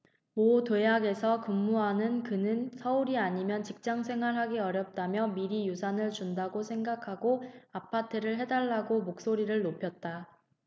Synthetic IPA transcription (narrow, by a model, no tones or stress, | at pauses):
motejaɡe̞sʰʌkɯmːuɦanɯnkɯnɯnsʰʌuɾiaɲimjʌnt͡ɕik̚t͡ɕ͈aŋsʰe̞ŋɦwaɭɦaɡiʌɾjʌp̚t͈amjʌmiɾijusʰanɯɭt͡ɕundaɡosʰe̞ŋɡakʰaɡoapʰatʰɯɾɯɭɦe̞daɭːaɡomok̚s͈oɾiɾɯɭnopʰjʌt̚t͈a